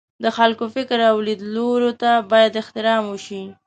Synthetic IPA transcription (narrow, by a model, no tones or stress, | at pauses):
d̪əxalkofɪkɾawlid̪loɾot̪abɑjad̪ɪxt̪ɪɾɑmwəʃi